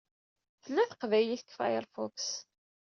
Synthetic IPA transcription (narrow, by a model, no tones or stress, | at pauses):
θəlːæθə̥qvæjliθəkːfa̰jəɾˤfɔks